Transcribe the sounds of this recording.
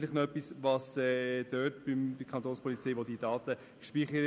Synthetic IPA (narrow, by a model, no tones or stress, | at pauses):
lɪχnoœpisvɑsɛd̥øːtb̥ɪmd̥ɪkʰɑntoːnspʰɔlit͡sɛjʋodiːdɑːtə | ʃpiːχə